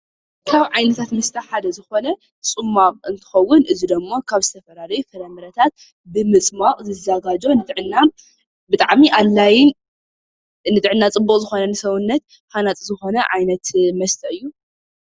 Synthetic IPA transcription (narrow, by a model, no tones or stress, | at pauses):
kʰaβʕajnɐt̪ʰat̪mɐst̪ʰʼɐħad̪ɐzɨxo̞nɐ | sʼɨmːamʼɨnt̪ʰɨ̥xɐwːʊnʔɨzid̪ɐmːokʰaβzɨt̪ʰɐfɐlalɐjufɐɾɐmɨɾɐt̪ʰat̪̚ | bɨmɨt͡sʼmaqʼzɨzaɡad͡ʒo̞nɨt̪ʼɨʕɨnːa | bɨt̪ʼaʕmiʔalːajɪn | nɨt̪ʼɨʕɨnːat͡sʼɨbːukʼzɨxo̞nɐnɨsɐβʊnːɐt̪ | ħanat͡sʼzɨxo̞nɐʕajnɐt̪mɐst̪ʰʼɐɨjːu